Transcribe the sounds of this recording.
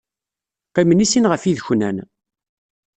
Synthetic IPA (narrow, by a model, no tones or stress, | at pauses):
pæmənisinʁəfiðçnæ̰n